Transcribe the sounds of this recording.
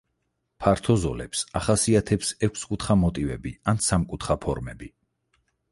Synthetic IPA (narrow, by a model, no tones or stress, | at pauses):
pʰaɾt̪ʰɔzɔ̰lɛ̰psaχasiat̪ʰɛpsɛkʷʰskʼut̪ʰχamɔt̪ʼivɛ̰biansamkʼut̪ʰχapʰɔɾmɛbi